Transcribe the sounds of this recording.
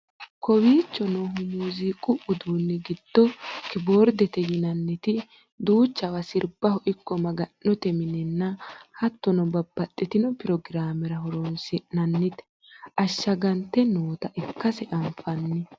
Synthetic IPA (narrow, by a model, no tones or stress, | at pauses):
kɔwiːt͡ʃːɔnɔmuːziːkʼʊʔʊd̪uːnːɛɡɪd̪̥ːɔkɪboːɾd̪ɛt̪ɛjɪnɐnːɪt̪ɪ | d̪uːt͡ʃːɐwɐsɪɾbɐhɔʔɪkːɔmɐɡɐnːɔt̪ɛmɪnɛnːɐhɐt̪ːɔnɔbɐbːɐt̪ʼːɛt̪ɪnɔpɪɾɔɡɪɾaːmɛɾɐɦɔɾɔnsɪnɐnːɪt̪ɛ̥ | ʔɐʃːɐɡɐnt̪ːɛnoːt̪ɐʔɛkːɐsɛʔɐɱfɐnːɪ